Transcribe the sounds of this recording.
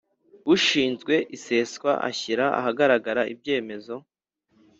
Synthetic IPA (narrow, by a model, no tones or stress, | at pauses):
βuʃiːnzɡwe̞ʔise̞skwa̰ʔa̰çiɾaa̰haɡaɾaɡaɾaʔḭbje̞ːme̞zo̞